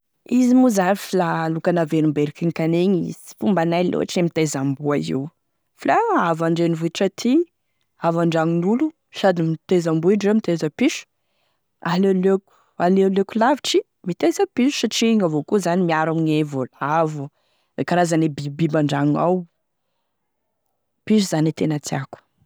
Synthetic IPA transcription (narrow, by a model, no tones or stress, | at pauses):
izimuzanifilalukanavenimbeɾikiŋkaneɲisi̥fumbanajlo̰aʈ͡ʂiemit̪ezambuaḭw | filaavaɳɖ͡ʐenivuʈ͡ʂat̪ʰi | avaɳɖ͡ʐaŋinulu | sad̪imit̪ezambuiʈ͡ʂamit̪ezəpiʃu̥ | aleløku̥ | aleløkulaviʈ͡ʂi | mit̪ezəpiʃu̥saʈ͡ʂiŋavokuzanimiaɾamiɲevolavu | ekaɾazanebibibaɳɖ͡ʐaŋa̰w | piʃ̬uz̥anit̪enat͡s̪iaku̥